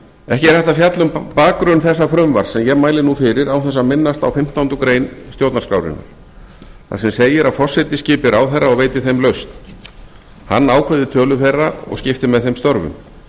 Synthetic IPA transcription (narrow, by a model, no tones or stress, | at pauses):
ɛhcɪɛɾɛht̪afjat̪lʏmpaːkɾœnθɛs̬ːafɾʏmva̰ɾ̥sɛmjɛmaːjlɪnufɪɾɪɾawθɛsːamɪnːast̪awfɪm̥t̪awnt̪ʏkɾeːjnst̪joːwt̪naɾskɾa̰wɾɪ̰nːʏ̰ɾ | θa̰sɛmseːjɪɾaðfɔ̥sːɪjt̪ɪscɪːpɪɾawθɛrːaɔɣveːjt̪ɪθejmlœɥst̪n | ha̰nːaːwkʰɛðɪt̪ʰœːlʏfejrːaɔ̰ɣscɪft̪ɪmɛðθejmst̪ɔɾvʏ̰m